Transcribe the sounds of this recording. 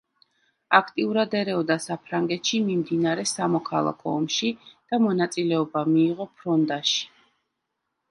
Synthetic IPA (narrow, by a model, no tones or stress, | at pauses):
akʰt̪ʼiuɾad̪ɛɾɛɔd̪asapʰɾaŋɡɛt̪ʃimimd̪inaɾɛsamɔkʰa̰lˠa̰kʰɔːmʃid̪̥amɔnat̪sʼilɛɔbamiːʁɔpʰɾɔnd̪aʃi̥